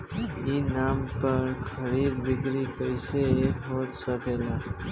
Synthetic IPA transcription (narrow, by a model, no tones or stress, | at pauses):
iːnaːmpəɾkʰəɾiːd̪bɪkɾikəɪseekɦot̪səpelaː